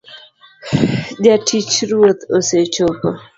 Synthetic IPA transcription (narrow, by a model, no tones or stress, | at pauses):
ʄatʰit͡ʃɾuot̪oset͡ʃopɔ